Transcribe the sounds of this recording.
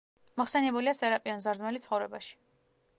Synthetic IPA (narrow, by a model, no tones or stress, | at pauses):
mɔχsɛnɛbuliasɛɾapʼianzaɾzmɛlit̪sʰχɔvɾɛbaʃi̥